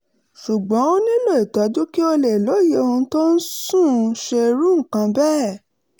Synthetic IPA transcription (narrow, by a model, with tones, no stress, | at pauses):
ʃu˨ɡ͡bɔ̃˨˦nĩ˦lo˦˨i˨tɔ˨˦du˦ki˦o˧le˨lo˨˦˨je˦˧o˧ũ˧˦to˦n̩˦sũ˦˨˧ʃe˧ɾũ˦ŋ̩˨kã˧bɛː˦˨